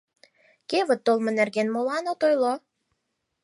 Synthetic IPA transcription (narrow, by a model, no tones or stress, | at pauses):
keβət̪ːolˠmə̆nerɣenmolɑnot̪ojlo